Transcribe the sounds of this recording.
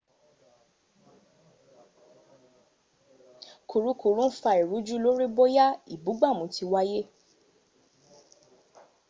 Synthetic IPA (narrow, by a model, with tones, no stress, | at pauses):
ku˨ɾu˨˦ku˨ɾũ˦fa˧i˨ɾu˨˦d͡ʒu˦lo˦ɾi˦bɔ˦ja˦i˨bu˨˦ɡ͡ba˦˨mũ˨˧˦ti˧wa˦je˦